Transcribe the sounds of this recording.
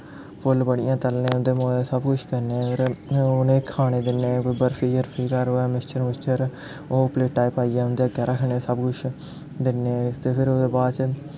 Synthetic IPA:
pʰʊlbəɽɪjãːt̪əlnẽːʊ̃nd̪eːmoːeːsəbkʊʃʰkəneɪɾʊnẽːkʰaːɽ̃eːd̪ɪnːeːkəbəɾpʰiːəɾpʰiːkəɾoːɛmɪst͡ʃʰənmɪst͡ʃʰəɾ | oːpleːʈaːipaːijaːʊnd̪eaɡɛːɾaːkʰəɳ̃eːsəbkʊʃʰ | d̪ɪneːt̪eːpʰɪɾoːd̪eːbaːd̪t͡ʃ

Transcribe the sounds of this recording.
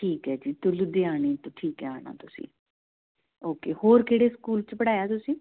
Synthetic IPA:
ʈʰiːkɦɛːd͡ʒiːt̪ʊlʊd̪eːaːɽ̃iːt̪õːʈʰiːkɛːaːɳa̰ːt̪ʊsḭ̃ː | oːkeːhoːɾkeːɽeːskuːlt͡ʃbəɽaːjaːt̪ʊsĩː

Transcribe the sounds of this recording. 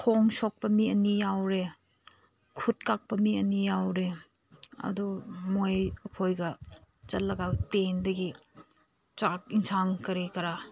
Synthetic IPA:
kʰoŋsok̚pɐmiɐnijawɾe | kʰut̚kak̚pɐmiɐnijawɾe | ɐ̰dumojɐkʰojɡɐ | t͡ʃɐllːɐɡatendɐɡi | t͡ʃak̚iŋsaŋkɐɾikɐɾa

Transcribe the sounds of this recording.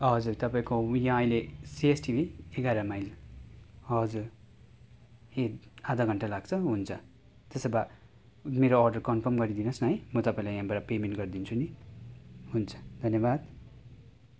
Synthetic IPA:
ʌd͡zurt̪ʌpaĩkojãʌij̃lesiesʈibʱieɡaɾʌmajl | ʌd͡zuɾ | hed̪ad̪ʌɡʱʌɳʈalaɡt͡sʰʌɦunt͡sʰʌ | t̪esʌba | meɾoːrɖʌrkʌnpʰʌrmɡʌɾid̪inʌsnʌjmʌt̪ʌpaĩlajãbaɾapemenʈɡʌrd̪int͡sʰuni | ɦunt͡sʰʌ̥d̪ʱʌnjebad̪

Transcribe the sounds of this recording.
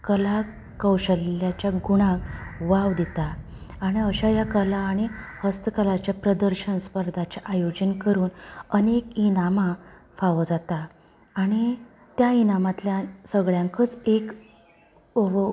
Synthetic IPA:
kəla | kəwɕəlːjat͡ɕjaɡuɽ̃ãkʋaʋd̪it̪aː | ɽ̃iəɕajakəlaːɽ̃ihəst̪əkəlat͡ɕjapɾəd̪əɾɕənspəɾd̪ʱat͡ɕeʔajod͡ʑənkəɾuːnənekinama | faʋəd͡zat̪aː | ɽ̃i | t̪jainamat̪ljasəɡɭjaŋkət͡sek

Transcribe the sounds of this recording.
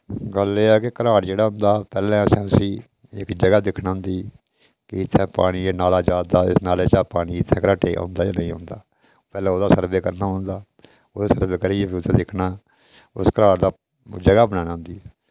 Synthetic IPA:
ɡəlːeːaːkekəɾaːʈd͡ʒeːɽaːɦʊ̃nd̪aːpɛːlɛ̃ːsɛ̃ːʊsĩː | ɪ̰kd͡ʒəɡaːd̪ɪkʰnãːɦʊ̃nd̪iː | kɪɪt̪ʰːɛ̃ːpa̰ːɽ̃iːeːnaːlaːd͡ʒaːd̪aːɪsnaːleːt͡ʃaːpaːɽiːɪt̪ʰːɛ̃ːkəɾaːʈeːõ̰ːnd̪aːjaːnəĩːɦʊ̰̃nd̪aː | pɛːlɛ̃ːoːd̪aːsəɾbeːkəɾnaːɦʊ̃nd̪aː | oːd̪eːsəɾbeːkəɾiːeːbiʊt̪ʰɛ̃ːd̪ɪkʰnaː | ʊ̰skəɾaːʈd̪aː | d͡ʒəɡaːbənaːnãːʊnd̪iːɛː

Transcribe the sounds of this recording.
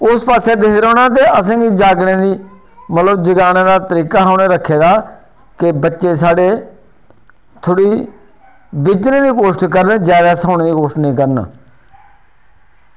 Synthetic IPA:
ʊspaːseːd̪ɪːd̪ɾoːnaːt̪eːəsãːɡiːd͡ʒaːɡɽẽːd̪iː | mət̪ləbd͡ʒəɡaːnẽːd̪aːt̪əɾiːkaːɦoːneːɾəkʰːeːd̪aː | kɪbətːʃeːs̬aːɽeː | t̪ʰʊɽiː | bɪt͡ʃnẽːd̪iːkoːʃʈkəɾned͡ʒjaːd̪aːsaːñẽːd̪iːkoːʃʈnĩːkəɾn̰ː

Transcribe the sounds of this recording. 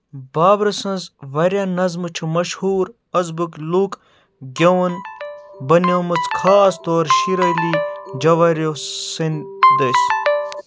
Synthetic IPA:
baːbɾɐsɐ̃nzʋɐɾʲjanɐzmɨt͡ʃʰumɐʃhuːɾ | ɐzbukluk | ɡʲɐwnbɐnjoːmɨt͡skʰaːst̪oːɾʃiɾɐjlid͡ʒɐʋɐɾʲosind̪ɐs

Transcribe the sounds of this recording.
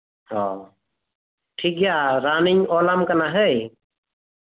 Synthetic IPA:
hɔ | ʈʰik̚ɡjaɾanɪɲɔlamkanaɦəj

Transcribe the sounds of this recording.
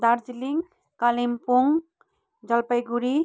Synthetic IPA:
d̪aɾd͡ʒiliŋɡ | kalimpuŋ | d͡ʒʌlpəjɡuɾi

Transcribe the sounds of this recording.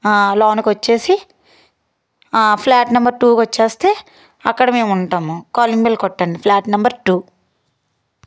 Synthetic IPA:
laːnkʋɐt͡ʃːe̞ːsi | pʰlaːʈnɐmbɐɾʈuːkʋɐt͡ʃːeːst̪e̞ː | ɐkːɐɽɐme̞ːmuɳʈaːmukoːlimbelkɔʈːɐɳɖipʰlaːʈnɐmbɐɾʈuː

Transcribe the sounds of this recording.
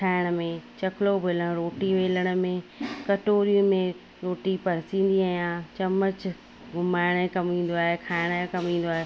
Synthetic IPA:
ʈʰaːɪɽ̃ə̆mẽt͡ɕɐkʰɪlobʱelə̃ɾoːʈiʋeːləɽ̃ə̆mẽkɐʈoːɾijũmẽ | ɾoːʈipɐɾɪsĩːn̆d̪iaːɦjãːt͡ɕɐmət͡ɕ | ɡʱʊmaːɪɽ̃ẽkɐmĩːn̆d̪oaːɦekʰaːɪɽ̃kɐmĩːn̆d̪oaːɦe

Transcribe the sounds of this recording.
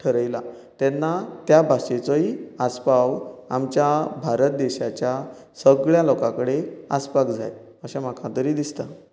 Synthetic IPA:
ʈʰəɾəjla | t̪ɛnːat̪jabʱaɕet͡sɔiaspawamt͡ɕjabʱaɾət̪̚d̪eɕat͡ɕja | səɡɭjalɔkãkəɽeaspakd͡zʱa̰j | əɕãmakʰãt̪əɾiːd̪ist̪a

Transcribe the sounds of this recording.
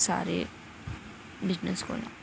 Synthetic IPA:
sa̰ːɾḛ | bɪznəsko̰na̰

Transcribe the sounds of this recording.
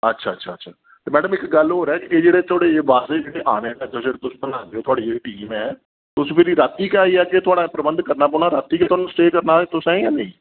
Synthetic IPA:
ətːʃʰaːtːʃʰaːətːʃʰaː | t̪eːmɛːɖəmɪkɡəlɦoːɾɛːkɪʔeːd͡ʒeːɽeːt̪ʰoːɽeːʋaːseːd͡ʒeːɽeːʔaːneːɛt̪od͡ʒeːɽeːt̪ʊsbənãːd̪eoːt̪ʊaːɽiːeiʈiːmɛː | t̪ʊsːpʰɪɾiːɾat̪ːiːkaːiːɛːket̪ʰʊaːɽaːpɾəbənd̪kəɾnaːp̬ɔːɳ̃aːɾat̪ːiːket̪ʊoaːnũːsʈeːkəɾnaːt̪ʊsɛ̃ːĩɛːnẽĩː

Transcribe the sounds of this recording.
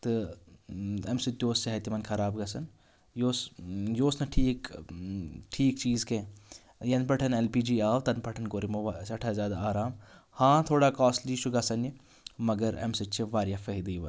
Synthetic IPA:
t̪ɨ | emsɨt̪ʲːoːseɦɐt̪imɐnkʰɐɾaːbɡɐsɐn | joːsjoːsnɐʈʰiːk | ʈʰiːkt͡ʃiːzkẽ | jɐnpɐʈʰɐnelpiːd͡ʒiːaːwt̪ɐnpɐʈʰɐnkoːɾimoʋasɐʈʰazaːd̪aaːɾaːmhãːt̪ʰoːɽaːkaːsliːʃʰuɡɐsɐni | mɐɡɐɾḛmsit͡ʃʰeʋaːɾjaːfɐɦid̪iːʋɐn

